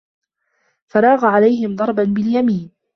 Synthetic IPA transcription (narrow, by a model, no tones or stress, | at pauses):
fɑɾˤɑːɣaʕalajhɪmd̪ˤɑɾˤbanbɪljamiːn